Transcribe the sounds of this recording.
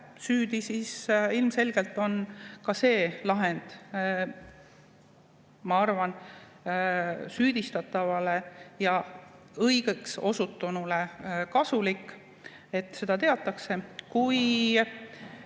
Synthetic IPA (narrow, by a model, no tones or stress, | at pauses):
syːd̪isisilmse̞lɡ̥e̞lt̪ːˑo̞nkɑse̞ːlɑɦe̞nd̪̥ | mɑɑrvɑn | syːd̪̥ist̪ɑt̪ˑːɑvɑle̞jɑ | ɤjɡ̥e̞kso̞sut̪ːˑunule̞kɑsulikːˑ | e̞t̪ːse̞d̪̥ɑt̪e̞ɑt̪ːˑɑkse̞kuj